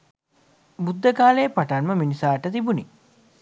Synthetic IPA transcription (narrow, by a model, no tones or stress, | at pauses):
bud̪ːəkaːləjəpaʈanməminisaːʈət̪ibuni